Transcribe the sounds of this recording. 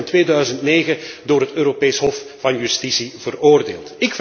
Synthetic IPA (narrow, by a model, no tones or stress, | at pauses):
ntʋeːdœɥzəntneːɣədʊːrɦətøːɾopeːjsɦɔfvɑnjystisivəroːrdeːlˠtɪkf